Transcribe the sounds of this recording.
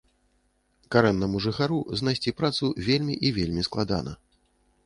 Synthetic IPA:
kaɾɛnːɐmuʐɨxaɾuznajsʲt͡sʲipɾat̪suvʲelʲmʲiʔivʲelʲmʲisklˠad̪a̰nɐ̰

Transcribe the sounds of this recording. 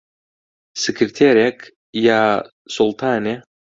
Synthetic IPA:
sʲɪkʲʰɾt̪ʰʲeɾʲek | ja | sulˠt̪ʰaːnʲe

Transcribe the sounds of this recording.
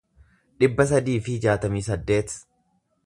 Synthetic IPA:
ᶑɪbːɐs̬ɐd̪iːfɪɪd͡ʒaːt̪ɐmiːsɐd̪ːe̞ːt̪

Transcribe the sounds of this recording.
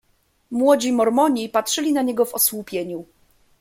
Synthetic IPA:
mwɔd͡ʑimɔɾmɔɲipatʂɘlʲinaɲeɡɔvɔswupʲjeɲu

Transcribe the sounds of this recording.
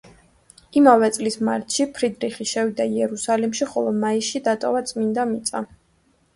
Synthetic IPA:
imavɛt̪sʼlismaɾt̪ʰʼʃipʰɾid̪ɾiχiʃɛvid̪aiɛɾusalimʃiχɔlˠɔmaiʃid̪at̪ʼɔvat̪sʼmind̪amit̪sʼa

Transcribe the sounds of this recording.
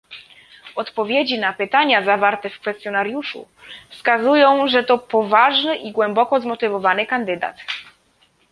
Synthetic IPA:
ɔt̪pɔvʲjed͡ʑinapɘt̪aɲazavaɾt̪ɛfkfɛst̪jɔnaɾjuʂṵ | fskazujɔ̃w̃ʐɛt̪ɔpɔvaʐnɘʔiɡwɛmbɔkɔzmɔt̪ɘvɔvanɘkand̪ɘd̪a̰t̪

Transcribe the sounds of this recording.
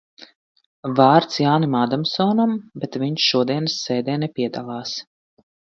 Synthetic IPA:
vɑːɾt̪sjaːnimaːd̪amsɔːnambɛt̪viɲʃʃuɔd̪iɛnɨsːɛːd̪ɛːnɛpʲiɛd̪alˠɑːs

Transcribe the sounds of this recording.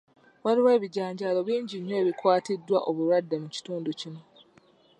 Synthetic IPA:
waliwe̞ːβiɟaːɲɟaːlo̞βiːɲɟiɲːe̞ːβikwaːtidːwaʔo̞βulwadːemuci̥tuːnducino̞

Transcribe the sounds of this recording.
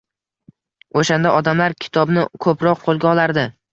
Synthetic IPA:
oʃand̪aʔɒd̪amlaɾkʲʰɪ̥t̪ʰɒbnɪkʰɵpɾɒq̚qʰolˠɡʲaɒlaɾd̪ɪ

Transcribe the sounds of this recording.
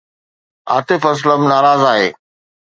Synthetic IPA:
a̰ːt̪ɪfɐs̬ləmnaːɾaːzaːɦeː

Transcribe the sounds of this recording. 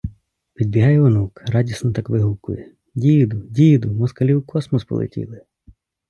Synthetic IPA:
pʲid̪̚bʲiɦɑjɛʋɔnukrɑdʲisnɔt̪ɑkʋɪɦukʊ̰jɛ | dʲijd̪ʊdʲijd̪ʊmɔskɐlʲiwkɔsmɔspɔ̰lˠḛtʲḭlˠɪ

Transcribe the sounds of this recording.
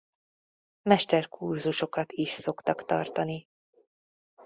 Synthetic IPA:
mɛʃt̪ɛrkurzuʃo̞kɒt̪iʃso̞kt̪ɒkt̪ɒ̰rt̪ɒni

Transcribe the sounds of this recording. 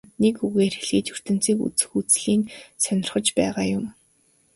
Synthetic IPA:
nekuɣeːrxeɮɣiːt͡ɕur̥t̪ɘ̆n̥t͡siːkṵt͡sɘ̥̆xuːt͡sɮiːnsœnʲɪ̆rχə̆t͡ɕpæːʁaːjʊm

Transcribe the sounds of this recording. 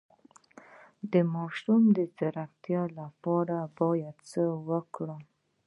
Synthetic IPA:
d̪əmɑʃumd̪əzaɾaxt̪jɑlapɑɾabɑjad̪t͡səwəkɽə

